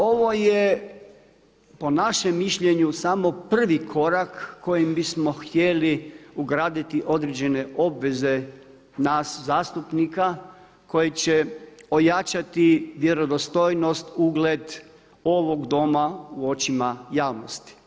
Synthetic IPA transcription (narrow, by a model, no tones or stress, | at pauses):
o̞ʋo̞je | po̞naʃemːiʃʎe̞ɲusamo̞pr̩ʋikʰo̞ɾakːo̞jimbismo̞xt̪je̞liuɡɾaːd̪it̪iʔo̞d̪ɾed͡ʑe̞ne̞ʔo̞bʋe̞ze̞ | naszaːst̪upnika | ko̞jit͡ɕeo̞jat͡ʃat̪iʋje̞ɾo̞d̪ost̪o̞jno̞st̪uɡled̪ | o̞ʋo̞ɡd̪o̞mauo̞t͡ɕimajaːʋnost̪i̥